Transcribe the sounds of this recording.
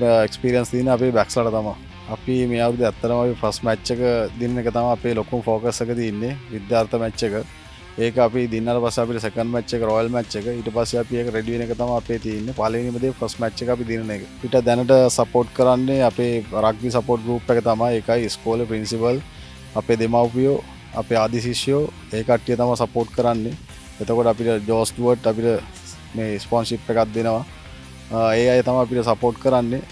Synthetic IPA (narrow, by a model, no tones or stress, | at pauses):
ekspiːɾijɐnst̪iːnːiɐpeːbaːkslɐɽɐt̪aːmɐ | ɐpimeːaːʋɾud̪iɛt̪ːɐɾɐmɐpipʰɐsʈmaːt͡ʃːɐkɐd̪inɐnekɐt̪aːmɐɐpːeːlokːumpʰoːkɐsɐkɐt̪iːnːiʋid̪jaːɾt̪ʰɐmɛːt͡ʃːekɐ | eːkɐɐpid̪inːaːʈɐpɐsiɐpːiʈɐsekɐɳɖmaːt͡ʃːekɐɾɔːjɐlmaːt͡ʃːɐkɐiʈːɐpɐsiɐpiekɐɾeɖiʋinekɐt̪aːmɐɐpeːt̪iːnːipaːlɐʋinimɐd̪ʱːepʰɐsʈmaːt͡ʃːɐkɐp̬id̪inɐnekɐiʈːɐd̪enɐʈɐsɐpoːʈkəɾanːeapeːɾaɡ̚ʋis̬ɐpoːʈ̚ɡɾuːpːekət̪amaekajskoːlpɾinsipəl | apeːd̪emawpijo | a̰peaːd̪isiʃjo | eːkaʈːijət̪amasɐpoːʈkəɾanːe | et̪okoʈəapiʈəd͡ʒoːsʈuʋəʈːapiʈə | meːspoːnsipːekat̪̚d̪enəʋa | eːajt̪amajapiʈəsɐpoːʈkəɾanːe